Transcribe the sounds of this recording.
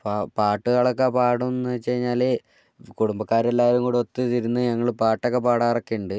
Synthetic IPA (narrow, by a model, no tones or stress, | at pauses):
papaːʈːɨɣaːɭɐkːepaːɽumnːɨt͡ɕejɲːaːle | kuɽumbɐkːaːɾelːaːjɐɾuŋkuːɽot̪ːɨt̪iɾunːɨɲɐŋːɐɭpaːʈːokːepaːɽaːrɐkːiuɳɖɨ